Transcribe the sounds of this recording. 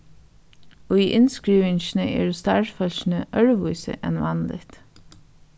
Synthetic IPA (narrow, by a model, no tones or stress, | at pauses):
ɔiːʔɪnskɹiːʋɪɲʃnəʔɛ̰ːɹst̪aɹfœlʃnəʔœɹʋujsə̰ʔɛ̰nʋɑnlɪ̰t̪